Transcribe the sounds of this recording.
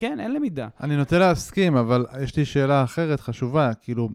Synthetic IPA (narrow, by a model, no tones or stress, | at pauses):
kenʔenlimid̪a̰a̰ninot̪enleaskimavaljeʃliʃe̞ːlaːχe̞ʁet̪χaʃuvakiːlu